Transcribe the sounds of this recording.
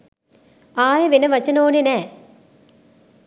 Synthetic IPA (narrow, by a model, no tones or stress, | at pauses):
aːjɐʋenɐʋɐt͡ʃːɐnoːnenɛː